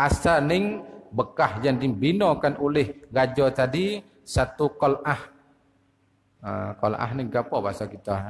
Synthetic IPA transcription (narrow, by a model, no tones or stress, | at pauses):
ʔasanɪŋbəkahjaŋdibinɔkanʔulɪhɡad͡ʒɔt̪adi | sat̪ukɔlʔah | ə̰kɔlʔa̰hnɪŋɡapɔbasakit̪ɔ